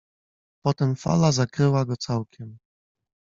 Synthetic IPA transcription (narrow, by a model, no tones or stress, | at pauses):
pɔt̪ɛmfa̰lazakɾɘwaɡɔt̪sawkʲʰɛm